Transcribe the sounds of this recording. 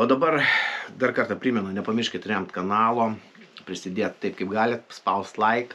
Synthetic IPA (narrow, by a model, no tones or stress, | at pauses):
oːd̪ɐbɐrd̪ɐrkɐrt̪ɐpʲɾʲiːmʲɛnʊnʲɛpɐmʲɪɾʲʃʲkʲɪt̪ɾʲɛmt̪kɐnɑːlˠoː | pʲɾʲɪsʲɪd̪ʲeːt̪t̪ɐɪp̚kɐɪpɡɑːlʲɪt̪spɐʊst̪lˠɐɪk